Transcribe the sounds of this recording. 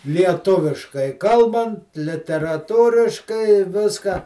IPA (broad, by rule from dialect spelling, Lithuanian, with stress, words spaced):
lʲiɛˈtʊʋʲɪʃkɐɪ ˈkɐlˠbɐnt lʲɪtʲɛrɐˈtuːrʲɪʃkɐɪ ɪ ˈʋʲɪskɑː